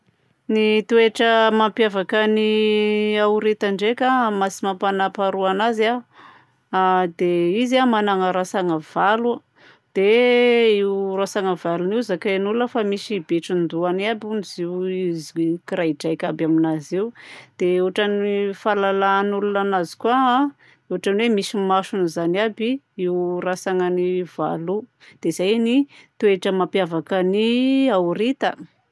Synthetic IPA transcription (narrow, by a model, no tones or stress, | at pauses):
nit̪ueʈ͡ʂəmampjavakəni | awɾet̪aɳɖ͡ʐekamasimapanapaɾuanaza | d̪̥eizamanaŋaɾasaŋav̥alu | d̪̥e | iwrasaŋavaluniwzakanuləfamisibeʈ͡ʂind̪uanabuniziwizikiɾajɖ͡ʐajkʲabaminaziwd̪̥eewaʈ͡ʂanifalalaːnulunanazi̥kuaa | ewaʈ͡ʂanwemisimaʃunizanabi | iwrasaŋaniva̰lu | d̪̥eizajnit̪ueʈ͡ʂəmapjavakəniauɾit̪ə